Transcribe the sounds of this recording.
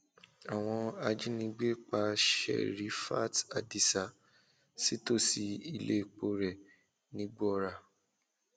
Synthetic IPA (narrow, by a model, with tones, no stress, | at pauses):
a˨w̃ɔ̃˧a˧d͡ʒi˦nĩ˧˦ɡ͡be˦k͡pa˧ʃɛ̰˦˨ɾi˨˦fa̰˦˨ta̰˨di˦sa˨ | si˦to˦si˧i˧lḛ˦˨k͡po˧ɾɛ˨ | nĩ˨˦ɡ͡bɔ˦ɾa˨